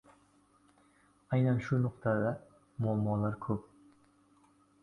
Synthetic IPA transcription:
ajnanʃʊnʊqt̪ʰad̪a | mʊalmːɒlaɾkʰɵp̚

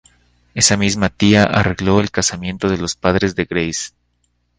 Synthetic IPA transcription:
e̞samizmat̪iaʔare̞ɣlo̞e̞lkasamje̞nt̪o̞ð̞e̞lo̞spað̞ɾe̞zðe̞ɣɾejs

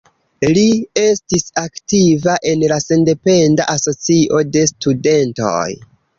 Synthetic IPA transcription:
lie̞stisaktivaʔe̞nlase̞nde̞pe̞nda̰ʔaso̞t͡siʔo̞de̞stude̞nto̞̰j

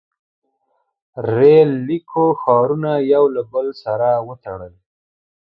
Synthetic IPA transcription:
ɾelːikʰoxɑɾunajawlabəlsaɾawət̪aɽəl

